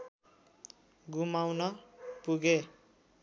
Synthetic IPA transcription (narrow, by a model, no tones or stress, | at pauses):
ɡumawnʌpuɡe